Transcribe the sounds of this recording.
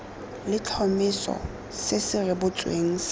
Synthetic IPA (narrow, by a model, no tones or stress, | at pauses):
lɪt͡ɬʰɔmɪsɔ̰ | sɪsɪrɪbʊt͡sʼwḛːŋ̩s